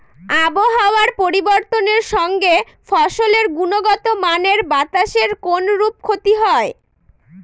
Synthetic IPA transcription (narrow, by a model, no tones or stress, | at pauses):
aboɦaoaɾpoɾiboɾt̪oneɾʃɔŋɡe | fɔʃoleɾɡunoɡɔt̪omaneɾbat̪aʃeɾkonɾup̚kʰot̪iɦɔe